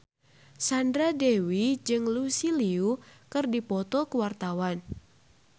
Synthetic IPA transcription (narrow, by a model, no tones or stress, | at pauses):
sandɾadewid͡ʒɨŋlusiliukɨrdipɔt̪ɔkəwart̪awan